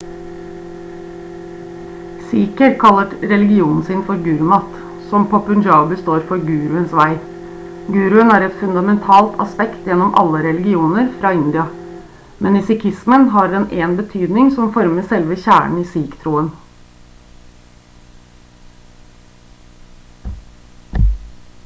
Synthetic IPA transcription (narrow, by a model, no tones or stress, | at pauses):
siːkəɾkʰɑlːəʈɾɛlɪɡɪuːnn̩sɪːnfɔɾɡʉːɾʉmɑt̪ | sɔmpʰoɔpʉnd͡ʒɑbəst̪oːɾfɔɾɡʉːɾʉənsʋæɪ | ɡʉːɾʉənæːɾɛt̪fʉnd̪ɑmɛnt̪ʰɑːlt̪ʰɑ̰spɛkt̪jɛnːɔmʔɑ̰lːəɾɛlɪɡɪuːnəɾfɾɑːɪnd̪ɪɑ | mʔɛnɪsɪkʰɪsmənɦɑɾɛnʔeːnbət̪ʰyːd̪nɪŋsɔmfɔɾməsɛlʋəçæːɳ̩iːsiːkt̪ʰɾuːən